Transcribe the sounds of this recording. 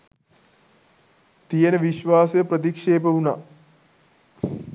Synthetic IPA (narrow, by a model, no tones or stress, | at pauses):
t̪ijenəʋiʃʋaːsjəpɾət̪̬ikʂeːpəuna